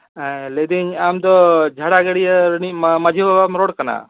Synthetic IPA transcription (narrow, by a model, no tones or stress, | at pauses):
led̪iɲamd̪ɔd͡ʒʱaɽaɡəɽijəɾnimmad͡ʒʱibabamɾɔɽkana̰